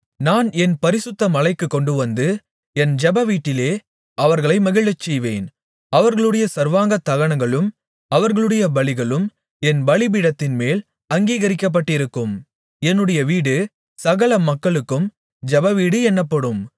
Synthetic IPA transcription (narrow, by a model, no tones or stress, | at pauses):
naːnɛnpɐɾɪsɯt̪ːɐmɐlɐɪkːɯkːɔɳɖɯʋɐnd̪ɯ | ɛnd͡ʒɛbɐʋiːʈːɪleː | ɐʋɐɾɣɐɭɐɪmɐɣɪɭɐt͡ʃːɛjʋeːn | ɐʋɐɾɣɐɭɯɽɐjɐsɐɾʋaːŋɡɐt̪ːɐɣɐɳɐŋɡɐɭɯm | ɐʋɐɾɣɐɭɯɽɐjɐbɐɭɪɣɐɭɯm | ɛnbɐɭɪbiɽɐt̪ːɪnmeːl | ɐŋɡiːɣɐɾɪkːɐp̬ːɐʈːɪɾɯkːɯm | ɛnːɯɽɐjɐʋiːɽɯ | sɐɣɐlɐmɐkːɐɭɯkːɯm | d͡ʒɛbɐʋiːɽɯɛnːɐpːɐɽɯm